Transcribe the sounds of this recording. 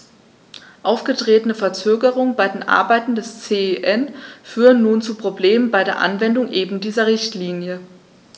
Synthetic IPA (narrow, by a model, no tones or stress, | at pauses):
ʔaʊfɡ̥ətʁ̥eːtənəfɛɐt͡søːɡəʁʊŋənbaɪdeːnʔa̰ɐbaɪtn̩dɛst͡seːʔɛnfyːʁənːuːnt͡supʁ̥obleːmənbaɪɾeːɐʔa̰nvɛndʊŋʔeːbm̩diːzɐʁɪçtliːnjə